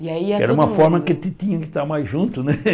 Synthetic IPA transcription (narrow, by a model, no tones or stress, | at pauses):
iaiɛ̰ɾɐũmɐffɔɾmɐkɪt̪ɪt̪ĩɲɐkɪt̪aɾmajʒũnt̪ʊnɛ